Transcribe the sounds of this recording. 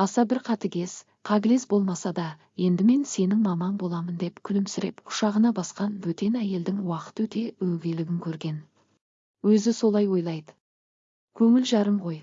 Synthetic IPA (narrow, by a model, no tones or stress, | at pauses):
ɑsɑbɪɾqʰɑt̪ɪɡʲe̞s | qʰɑɡʲɪlesbo̞lˠmɑsɑd̪ɑ | je̞nd̪ɪme̞nse̞nɪŋmɑmɑnbo̞lˠɑmənd̪e̞pkʲʰʏlɪmsɪɾe̞̰pqʰʊ̥ʃɑʁənɑbɑsqɑnwɵt̪e̞næje̞ld̪ɪŋwɑqə̥t̪wɵt̪e̞ɵwɡʲe̞lɪɡʲɪŋkʲʰɵɾɡʲe̞n | wɵzɪso̞lˠɑjwo̞jlˠɑjd̪ə | kʲʰɵŋɪlʒɑɾəmʁo̞j